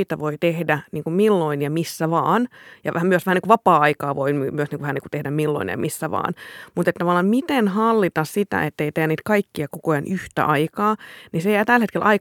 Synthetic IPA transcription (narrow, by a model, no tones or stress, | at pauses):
it̪æʋoit̪ehdæniːŋkummilːoinjɑmisːæʋɑːnjɑ̰ʋæhæmyøsʋæhæniŋkuʋɑpɑːɑikɑːʋoimmyøsniːŋkuʋæhæniŋkut̪ehdæmmilːo̰injɑ̰mʔisːæʋɑ̰ːnmut̪et̪t̪ːɑʋɑlːˑɑːmmit̪enhɑlːit̪ɑssit̪æ̰et̪ːeit̪ejæniːt̪kɑikːiɑkokojɑnʔyht̪æ̰ʔɑikɑːnisejæːt̪ælhet̪kelʔɑi